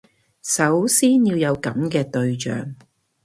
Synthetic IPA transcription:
sɐ˨˥wsiː˥njiː˧wjɐ˨˧wkɐ˨˥mkɛː˧t̪ɵ˧ɥt͡ʃœ̰ː˨ŋ

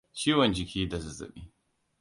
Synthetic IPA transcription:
t͡ʃiː˦wɔ˨nd͡ʒɪ˨kʲiː˦da˨zʊ˨zʊ̰˨ɓiː˦

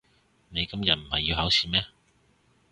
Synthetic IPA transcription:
ne˨˧jkɐ˥mjɐ˨t̚m̩˨˩hɐ˨jːiː˧whɐ˨˥wsiː˨˩mɛː˥

